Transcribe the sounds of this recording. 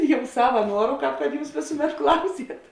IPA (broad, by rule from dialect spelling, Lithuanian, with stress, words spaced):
ˈjɛʊ ˈsɑːʋɐ ˈnuɔrʊ ˈkɑːp kɐt ˈjuːs ˈʋʲeːsʊˌmʲɛt ˈklˠɐʊˌsʲiɛt